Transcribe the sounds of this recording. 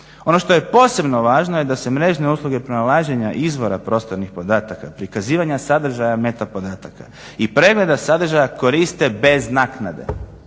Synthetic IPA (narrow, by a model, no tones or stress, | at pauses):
o̞no̞ʃt̪o̞je̞po̞ːse̞bno̞ʋaːʒnoje̞d̪ase̞mɾe̞ːʒne̞uːslˠuɡe̞pɾonalaːʒeɲaʔizʋo̞ɾapɾo̞st̪o̞ɾnixpo̞d̪aːt̪akapɾikaziːʋaɲasad̪r̩ʒajame̞t̪apo̞d̪aːt̪aka̰ | ipɾe̞ɡle̞d̪asad̪rʒajako̞ɾist̪e̞be̞znaːknad̪e̞̰